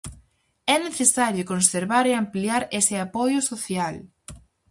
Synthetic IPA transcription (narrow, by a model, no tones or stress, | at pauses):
ɛneθesaɾjʊkonseɾβaɾeampliaɾesɪapɔjʊsoθjal